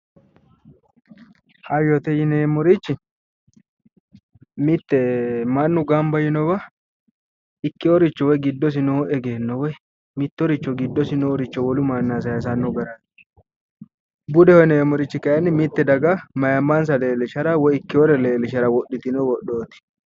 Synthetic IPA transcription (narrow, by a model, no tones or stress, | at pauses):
hɐjɔt̪ɛjɪneːmːɔɾɪt͡ʃːɪ | mɪt̪ːɛmɐnːʊɡɐmbɐjɪnɔbɐ | ɪkːɪɔɾɪt͡ʃːɔwɔɡɪd̪ːɔs̬ɪnoɛɡeːnːɔwɔ | mɪt̪ːɔɾɪt͡ʃːɔɡɪd̪ːɔsɪnɔɔɾɪt͡ʃːɔwɔlʊmɐnːaːs̬ɐjɐs̬ɐnːɔɡɐɾa | bʊd̪ɛhɔneːmɔɾɪt͡ʃːɪkɐjɐnːɪmɪt̪ːɛd̪ɐɡamɐjɐmːɐnsɐle̞ːlɪʃɐɾɐwɔjɪkːɪɔɾɛleːlɪʃɐɾɐwɔɗːɪt̪ɪnɔwɔɗoːt̪ɪ̥